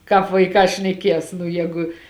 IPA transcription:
ˈkɑːp ʋɐɪˈkɑː ʃʲnʲɛˈkʲiɛs nʊ ˈjɛːɡʊ

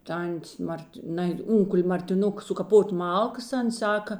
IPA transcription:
ˈtɐnʲtʲeːs ˈmɐrʲtʲ ˈnɐɪ ˈʊŋkʊlʲ mɐrʲtʲɪˈnʊk sʊkɐˈpoːtʲ ˈmɐlˠkɐs ˈɐns ˈsɑːkɐ

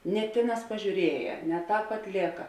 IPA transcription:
nʲɛ ˈtʲeːˌnɑːs pɐʒʲuːˈrʲiɛjɛ nʲɛ ˈtɑːp ɐtʲˈlʲeːkɐ

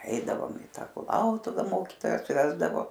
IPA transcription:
ˈɛɪdɐʋoːm ɪ ˈtɐ kʊˈlˠɐʊtʊʋɐ ˈmoːkʲiːtoːjɛs ˈʋʲæːzdɐʋoː

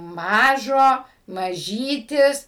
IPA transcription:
ˈmɑːʒoː mɐˈʒʲiːtʲɪs

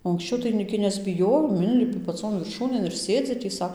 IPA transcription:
oː ɐŋksʲˈt͡ʃʲɛʊ tɐɪ ɡʲɪ nʲɛzʲbʲɪˈjoːjoːm ˈɪnʲlʲɪpʲɪ pɐˈt͡soːn ʋʲɪrˈʃuːnʲeːn ɪr ˈsʲeːd͡zʲɪ tʲiː ˈsɐ

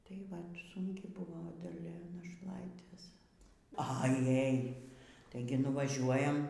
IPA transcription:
tɐɪ ˈʋɐt sʊŋʲˈkʲɪ ˈbʊʋoː dɐˈlʲɛ nɐʃˈlˠɐɪtʲeːs ɐˈjɛj ˈtɐɪɡʲɪ nʊʋɐˈʒʲuɔjɛm

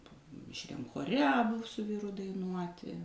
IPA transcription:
mʲɪʃʲˈrʲɛm xoːˈrʲɛ ɐˈbʊ sʊ ˈʋʲiːrʊ dɐɪˈnuɔtʲɪ

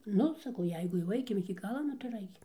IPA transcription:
ˈnʊ sɐˈkɐʊ ˈjɛɪɡʊ jɛʊ ˈɐɪkʲɪm ɪkʲɪ ˈɡɑːlˠɐ ˈnʊ tɐɪ ɪr ˈɐɪkʲɪm

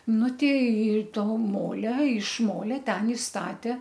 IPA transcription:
ˈnʊ tʲɛɪ ˈtoː ˈmoːlʲɛ ɪʃ ˈmoːlʲɛ ˈtʲɛn ɪ ˈstɑːtʲeː

